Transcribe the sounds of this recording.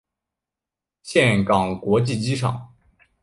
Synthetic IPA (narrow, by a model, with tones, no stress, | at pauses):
ɕjɛ˥˩nkɑ˨˩ŋkwɔ˧˥t͡ɕi˥˩t͡ɕi˥ʈ͡ʂʰɑ̰˨˩˦ŋ